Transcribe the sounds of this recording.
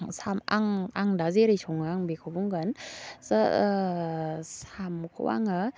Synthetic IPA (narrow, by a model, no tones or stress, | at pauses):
sama̰ŋaŋdazeɾisʰoŋaŋbekʰobuŋɡənzə | samkʰɔ̰wa̰ŋɯ